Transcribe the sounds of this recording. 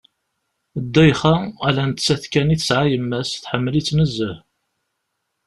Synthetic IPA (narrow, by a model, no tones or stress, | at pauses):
d̪ːæjχaælænt̪t͡sːæθkæniθəsʕajəmːæsθħəmːəlit͡sːnəzːəh